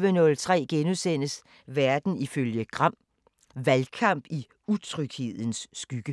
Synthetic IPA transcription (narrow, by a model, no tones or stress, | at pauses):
ʋənɔ̽lt͡sʰʁɛ̰ːɡ̥enusen̰əs | ʋæɐd̥n̩iføljəɡ̥ʁɑm̰ | ʋælkʰɑ̈m̰b̥i | ut͡sʰʁœɡ̥he̝ð̞̰ˠn̩sːɡ̥yɡ̥ə